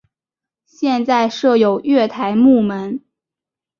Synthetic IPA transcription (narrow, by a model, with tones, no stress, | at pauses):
ɕjɛ˥˧nt͡sa˥˧ɪʂɤ˥˩jo˨˩ʊɥɛ˥˩t̪ʰa˧˥ɪmu˥˩mə˧˥n